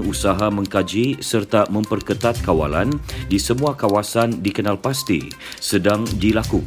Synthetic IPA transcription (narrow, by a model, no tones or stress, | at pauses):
usaɦamə̃ŋkad͡ʒisərt̪amə̃mpərkət̪at̪̚kawa̰la̰ndisəmũakawasandikənalpast̪ḭ | sədaŋdilaku